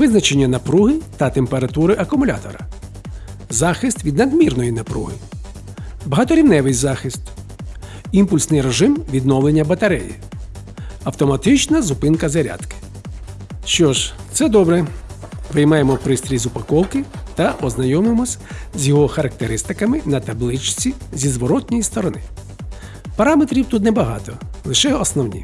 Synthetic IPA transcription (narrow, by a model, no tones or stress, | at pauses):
ʋɪznɐt͡ʃenʲːɐnɐpɾuɦɪt̪ɐt̪empeɾɐt̪uɾɪʔɐkʊmʊlʲa̰t̪ɔ̰ɾɐ̰ | zɑxɪst̪ʋʲid̪nɐd̪mʲirnɔjinɐpɾṵɦɪ | bɐɦɑt̪ɔɾʲiwnɛʋɪjzɑxɪst̪ | impʊlʲsnɪjɾeʒɪmʋʲid̪nɔwlˠenʲːɐbɐt̪ɐɾɛjḭ | ɐwt̪ɔmɐt̪ɪt͡ʃnɐzʊpɪnkɐzɐɾʲa̰d̪kɪ̥ | ʃt͡ʃɔʒt̪sɛd̪ɔbɾɛʋɪjmɑjemɔpɾɪst̪ɾʲizʊpɐkɔwkɪt̪ɐʔɔznɐjɔmɪmɔsʲzʲjɔɦɔxɐɾɐk̚t̪eɾɪst̪ɪkɐmɪnɐt̪ɐblˠɪt͡ʃt͡sʲizʲizʋɔɾɔt̪ʲnʲɔjist̪ɔɾɔnɪ̰ | pɐɾɑmet̪ɾʲiwt̪ut̪̬nɛbɐɦɑ̰t̪ɔlˠɪʃɛɔsnɔwnʲḭ